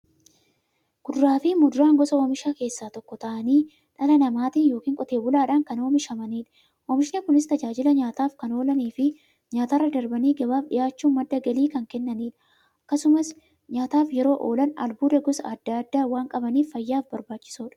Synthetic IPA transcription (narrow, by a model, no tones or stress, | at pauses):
ɡ̥ʊd̪ʊɾaːfɪmʊd̪ʊɾaːŋɡɔsɐwomɪʃaːke̞ːsːaːt̪ɔkːɔt̪ɐʔɐniː | ᶑɐlɐnɐmaːt̪iːnjo̞ːkiːŋkʼɔt̪e̞ːbʊlaːᶑaːŋkɐnoːmɪʃɐmɐniːᶑɐ̥ | wɔmɪʃnɐkʊnɪst̪ɐd͡ʒaːd͡ʒɪlɐɲaːt̪aːfkɐno̞ːlɐniːfɪ | ɲaːt̪ɐrːɐd̪ɐɾbɐniːɡɐbaːfɗɪjaːt͡ʃːuːnmɐd̪ːɐɡɐliːkɐŋkɛnːɐniːᶑɐ̥ | ɐkːɐsʊmɐs | ɲaːt̪aːfjɛɾo̞ːʔoːlɐnɐ̰lbuːd̪ɐɡɔsɐ̰ʔɐd̪ːaːd̪ːaːwaːŋkʼɐbɐniːffːɐjːaːfbɐɾbaːt͡ʃːɪ̥soːᶑɐ̥